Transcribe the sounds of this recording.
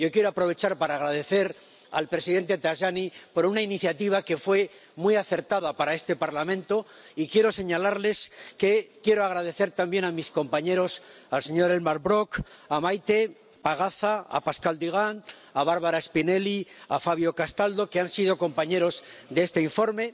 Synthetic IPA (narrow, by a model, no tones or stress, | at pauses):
jo̞kje̞ɾoapɾo̞β̞e̞t͡ʃaɾpaɾaːɣ̞ɾað̞e̞θe̞ɾ | a̰lpɾe̞siðe̞nt̪e̞t̪aʃanipo̞ɾunainiθjat̪iβ̞ake̞fwe̞ | mwiaθe̞ɾt̪aðapaɾae̞st̪e̞paɾlamẽ̞nt̪o̞ | ikje̞ɾo̞se̞ɲalaɾle̞ske̞kje̞ɾoaɣ̞ɾað̞e̞θe̞ɾt̪ambje̞namisko̞mpaɲe̞ɾo̞salse̞ɲo̞ɾelmaɾβɾo̞kamajt̪e̞ | paɣ̞aθaa̰paskald̪iɣ̞an | aβaɾβaɾaespine̞liafaβjo̞kast̪ald̪o̞keansið̞o̞ko̞mpaɲe̞ɾo̞zd̪eest̪eiɱfo̞ɾme̞